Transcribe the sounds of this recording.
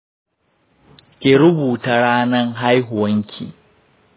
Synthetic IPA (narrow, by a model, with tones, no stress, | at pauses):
kʲeː˨ɾʊ˦buː˨ta˨ɽaː˦nɐ˦ŋɦa˦jɦʊ˨wɐ˦ŋkʲʰḭː˨